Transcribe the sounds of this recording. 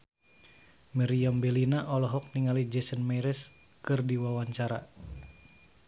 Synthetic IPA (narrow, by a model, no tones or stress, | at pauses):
mɛɾiambɛlinaʔɔlɔɦɔk̚niŋalid͡ʒɛsənmaɾɛs | kɨrdiwawaɲt͡ʃaɾa